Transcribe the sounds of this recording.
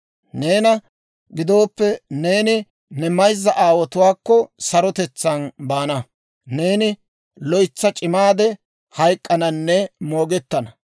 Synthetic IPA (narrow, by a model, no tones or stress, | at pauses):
ne̞ːnɐ | ɡɪd̪o̞ːpːɛne̞ːnɪ | nɛmɐjzːɐʔaːwɔt̪ʊwaːkːɔsɐɾɔt̪ɛt͡sːɐnbaːnɐ | ne̞ːnɪ | lɔjt͡sːɐt͡ʃʼɪmaːd̪ɛ | hɐjkʼːɐnɐnːɛmo̞ːɡɛt̪ːɐnɐ